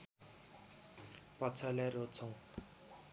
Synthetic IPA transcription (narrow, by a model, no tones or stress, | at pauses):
pʌt͡sʰalaɾot͡sʰʌw̃